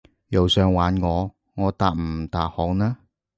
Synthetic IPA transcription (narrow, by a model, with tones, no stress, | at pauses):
jɐ˨wsœː˨˧ŋwaː˨˥nŋɔː˨˧ | ŋɔː˨˧t̪aː˨k̚m̩˨˩t̪aː˨k̚hɔː˨˧˥knaː˥